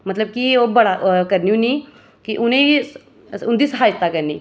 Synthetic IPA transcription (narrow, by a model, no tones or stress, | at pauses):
mət̪ləb̚kiobəɽakɐɾniũni | kiʔʊnẽ | ʊnd̪iːsəɦaːjət̪akəɾniː